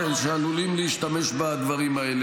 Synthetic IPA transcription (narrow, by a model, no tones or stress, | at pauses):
elʃealulimliiʃt̪ame̞ʃbad̪vaʁimael